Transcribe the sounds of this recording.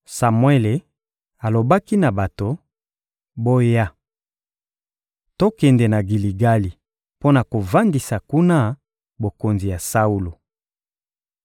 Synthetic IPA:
sa˨mwɛ˦le˨ | a˨lo˨ba˦ki˦na˨ba˨to˨ | bo˦ja˦ | to˦kɛ˨nde˨na˨ɡi˨li˨ɡa˦li˨ | po˦na˨ko˨va˦ndi˨sa˨ku˦na˦ | bo˨ko˨nzi˨ja˨sa˦u˦lo˨

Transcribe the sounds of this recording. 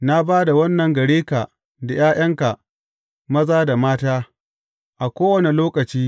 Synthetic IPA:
na˦baː˦da˨wɐ˦nːɐ˨ŋɡɐ˨ɽeː˦ka˨ | da˨j̰aː˦j̰ʔɐ˦ŋka˨ʔ | mɐ˦zaː˦da˨maː˦taː˦ | ʔa˨kʷoː˦wɐ˦˨ne˨loː˦kɐ˨t͡ʃiː˦

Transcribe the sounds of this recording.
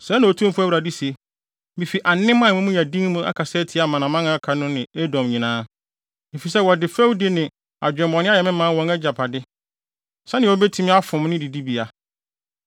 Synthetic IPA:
sɛ˨˦nã˨o˨tʰũ˦m̩˦fʊ˦æ˦˨ɾa˨di˦se˨ | mɪ̃˨fi˨ʔa˨nɪ̃˦mã˦˨mʊ̃˦mʊ̃˦ja˨dĩ˦ŋmũ˦ʔa̰˦kʰa˨sɛ˦tʰi˨˦a˨mã˨nã˨mã˦ŋã˦kʰa˨nʊ̃˦nɪ̃˨e˦dɔ̃˨mɲĩ˨nãː˦ | mɪ̃˨fi˨sɛ˦wɔ˨dɪ˨fɾɛ˦wdɪ˦nɪ̃˨ | a˨d͡ʑᶣɛ̃˨mbɔ˨nɪ̃˦a˦jɛ˨mɪ̃˦mã˦wɔ̃˦ŋɛ˦d͡ʑa˨pʰa˨dɪ˦ | sɛ˦nɪ̃˨wɔ˦bɛ˦tʰi˦mɪ̃˦a˦fʊ̃˨m˦nɪ̃˦di˨di˦bi˨a˨

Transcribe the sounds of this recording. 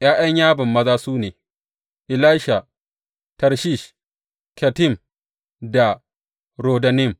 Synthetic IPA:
j̰aː˦j̰ɐ˦ɲjaː˦bɪ˨mːɐ˦zaː˦suː˦neː˨ | ʔɪ˨laː˦ʃa˨ | tɐ˨ɾʃi˦˨ʃ | kɐ˨tɪ˦˨m | da˨ | ɾoː˨dɐ˨nɪ˦˨m

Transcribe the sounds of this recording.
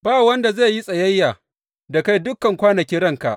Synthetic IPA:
baː˦˨wɐ˦nda˨za˦˨ji˦sʼɐ˨jɐ˦jːaː˨ | da˨ka˦jdʊ˦kːɐ˨ŋkʷaː˦nɐ˨kʲiː˦ɽɐ˦ŋka̰˨ʔ

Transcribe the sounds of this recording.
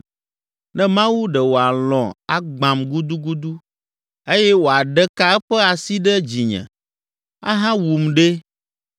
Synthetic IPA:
nɛ̃˦mã˦wu˦ɖɛ˨wo˨a˨lɔ̰̃˨a˦ɡ͡bã˨mɡu˦d̪u˦ɡu˦d̪u˦ | e˦jɛ˦wo˨a˨ɖɛ˦ka˦ɛ˦ɸɛ˦a˨si˦ɖɛ˦d͡ʑi˨ɲɛ̰̃˨ | a̰˦ɦã˦wu˨mɖe˦

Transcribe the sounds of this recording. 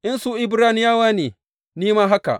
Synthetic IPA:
ʔɪ˦nsuː˦ʔɪ˨bɾaː˦nɪ˦jaː˦waː˦neː˨ | niː˦maː˦ɦa˦ka̰˨ʔ

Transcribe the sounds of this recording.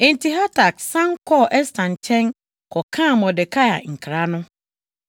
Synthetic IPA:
ɛ̃˨ntʰi˨ɦa˦tʰa˨ksã˦ŋkʰɔ˦ʔɛ˦stʰã˨n˨t͡ɕʰɛ̃˦n | kʰɔ˨kʰã˦˨mɔ̃˨dɪ˨kʰa˦ja̰˨ŋ̩˨kʰɾa˨˦nʊ̃˦

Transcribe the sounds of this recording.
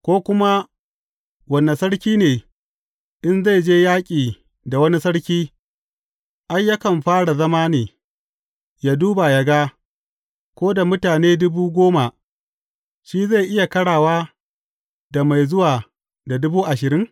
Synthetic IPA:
kʷoː˦kʷʊ˦ma˦ | wɐ˨nːa˨sɐ˦ɽkʲiː˦neː˨ | ʔɪ˦nza˦˨jd͡ʒeː˦jaː˦kʲʼiː˨ | da˨wɐ˦ni˦sɐ˦ɽkʲiː˦ | ʔa˦jja˦kɐ˨mɸaː˦ɽa˨zɐ˦maː˦niː˨ | jaː˦duː˦ba˨jɐ˨ɡaː˦ | kʷoː˦da˨mʊ˦taː˨neː˦dʊ˦buː˦ɡʷoː˦ma˨ʔ | ʃiː˦za˦˨ʔɪ˦ja˨kɐ˦ɽaː˨waː˦ | da˨ma˨jzʊ˦waː˨ | da˨dʊ˦buː˦ʔa˨ʃɪ˨ɾɪ˦ŋ

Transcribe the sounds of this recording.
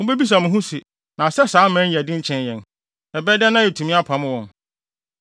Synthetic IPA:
mʊ̃˦be˦bi˦s̬ã˨mʊ̃˨ɦũ˦si˨ | nã˨sɛ˦saː˨˦mæ̃˦n˦˨ɛ˨dɪ̃˦ɲ̩˦t͡ɕʰɛ̃˦njɛ̃˨n | ɛ˨bɛ˦dɛ˦nã˦jɛ˨tʰu˨mĩ˦a˦pʰã˨mʊ̃˦wɔ̃˨n

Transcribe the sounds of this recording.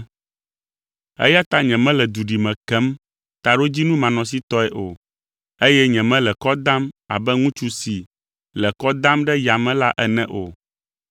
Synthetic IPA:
ɛ̰˦ja˦t̪a˦ɲɛ̃˨mɛ̃˦lɛ˨d̪u˨ɖi˨mɛ̃˨kɛ˦m | t̪a˨ɖo˦d͡ʑi˦nũ˦mã˨nɔ̃˨s̬i˦t̪ɔ˦ɛ˨ʔo˨ | e˦jɛ˦ɲɛ̃˨mɛ̃˦lɛ˨kɔ˦d̪ã˦ma̰˨bɛ˦ŋũ˦t͡ʃu˦si˨ | lɛ˨kɔ˦d̪ã˦mɖɛ˦ja˨mɛ̃˦la˦ʔɛ˦nɛ̃˦ʔo̰˨

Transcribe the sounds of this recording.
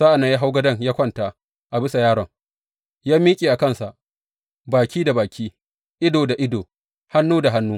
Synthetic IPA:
za˦ʔa˨na˨˦ja˦ɦa˦wɡɐ˦dɐ˦ŋjaː˦kʷɔ˦˨ntaː˨ | ʔa˨bɪ˦sa˨jaː˦ɾɔ˨ŋ | jaː˦miː˦kʲʼeː˨ʔa˨kɐ˦nsa˨ʔ | baː˨kʲʰiː˦da˨baː˨kʲiː˦ | ʔɪ˦doː˨da˨ʔɪ˦doː˨ | ha˦nːuː˦da˨ɦa˦nːuː˦

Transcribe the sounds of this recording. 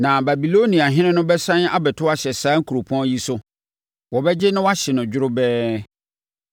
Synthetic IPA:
nã˨ba˨bi˨lo˦nĩ˨a˨ɦɪ̃˦ɪ̃˦nʊ̃˦bɛ˦sã˦n˦a˦bɛ˨tʰʊ˦a˦ɕɛ˨sãː˦ŋ̩˦kʰu˨ɾo˨pʰɔ̃˦ji˦sʊ˦ | wɔ˨bɛ˦d͡ʑɪ˦nʊ̃˦wa˦ɕɛ˨nʊ̃˨d͡ʑᶣʊ˦ɾʊ˦bɛː˦

